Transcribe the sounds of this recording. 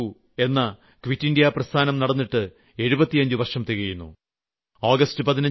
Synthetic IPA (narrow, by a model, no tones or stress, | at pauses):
u | e̞nːɐ | kʋitːindijaprɐst̪ʰaːnɐmnɐɽɐnːiʈːɨ | e̞ɻubɐt̪ːijɐɲd͡ʑɨʋɐrʂɐmt̪iɣɐjunːṵ | oːɡɐstɨpɐðinɐ